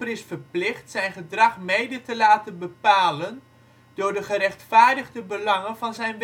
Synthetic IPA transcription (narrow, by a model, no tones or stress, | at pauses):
pərɪsfərplɪχtsɛjnχədrɑχmejdətəlaːtənbəpaːlən | d̥ʊːɹdəχərɛχtfaːɹdəɣdəbəlɑŋənvɑnzɛjnʋ